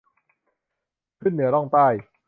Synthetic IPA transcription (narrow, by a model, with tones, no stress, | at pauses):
kʰɯ˥˩nːɯ˩˦ɐɾɔ˥˩ŋt̪aː˥˩j